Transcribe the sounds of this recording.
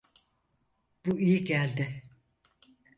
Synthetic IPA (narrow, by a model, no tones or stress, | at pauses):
b̥uijiɟælʲd̪ɪ